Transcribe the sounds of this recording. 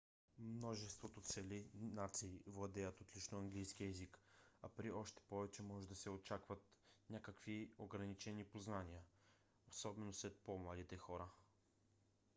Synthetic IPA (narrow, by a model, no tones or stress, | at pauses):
mnɔʒɛst̪vot̪ot̪sɛlinat̪siːvlˠɐd̪ɛjət̪ot̪lit͡ʃnoɐŋɡlijskiɛzikapɾiɔʃt̪ɛ̥pɔvɛt͡ʃɛmɔʒɛd̪ɐsɛot͡ʃakvɐt̪nʲakəkvioɡɾɐnit͡ʃɛnipoznanijə | osɔbɛnoslɛt̪̚pomlˠad̪it̪ɛxɔɾə